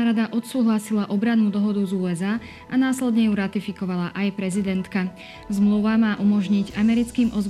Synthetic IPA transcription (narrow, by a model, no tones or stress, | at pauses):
ɾad̪aʔɔt̪suːɦlasilaʔɔbɾanːuːd̪ɔɦɔd̪uzuːɛzaː | anaːslɛd̪ɲɛjuɾat̪ifikɔʋalaʔajpɾɛzid̪ɛnt̪ka | zmluʋamaːʔumɔʒɲiɟamɛɾit͡skiːmʔɔz